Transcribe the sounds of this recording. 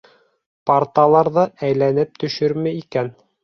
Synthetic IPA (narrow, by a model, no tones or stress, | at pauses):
paɾt̪ɑlˠɑɾðɤʔæjlænɘp̚t̪ɵ̆ʃɵɾmæikæn